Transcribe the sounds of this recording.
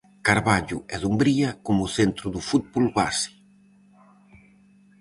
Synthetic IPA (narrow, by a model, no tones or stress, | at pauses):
kaɾβaʎuɛðumbɾiɐkomuθent̪ɾuðufut̪̚bulβa̰si̥